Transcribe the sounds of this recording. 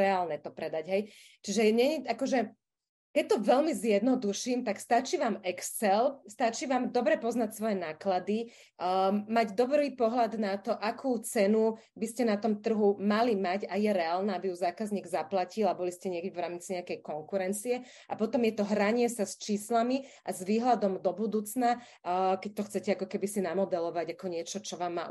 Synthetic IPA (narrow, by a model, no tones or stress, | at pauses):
ɛaːlnɛt̪ɔpɾɛd̪aɟɦɛj | t͡ʃiʒɛɲɛɲiʔakɔʒɛ | kɛc̚t̪ɔʋɛlmizjɛd̪nɔd̪uʃiːmt̪akst̪at͡ʃiːʋaːmɛkst͡sɛlst̪at͡ʃiːʋaːmd̪ɔbɾɛpɔznacsʋɔjɛnaːklad̪i | maɟd̪ɔbɾiːpɔɦlad̪nat̪ɔʔakʰuːt͡sɛnu | biscɛnat̪ɔmt̪r̩ɦumalimaɟajɛɾɛaːlnaabijuzaːkazɲiːɡzaplacilabɔliscɛɲɪɛkɛʋɾaːmt͡siɲɛakɛjkɔŋkuɾɛnt͡siɛ | apɔt̪ɔmjɛt̪ɔɦɾaɲɪɛsast͡ʃiːslamiʔazʋiːɦlad̪ɔmd̪ɔbud̪uːt͡sna | kɛc̚t̪ɔxt͡sɛcɛakɔkɛbisinamɔd̪ɛlɔʋaɟakɔɲɪɛt͡ʃɔt͡ʃɔʋaːmːa̰ː